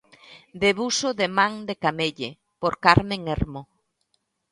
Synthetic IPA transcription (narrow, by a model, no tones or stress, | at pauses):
d̪eβusoðemãŋd̪ekameʎe | poɾkaɾmẽŋeɾmo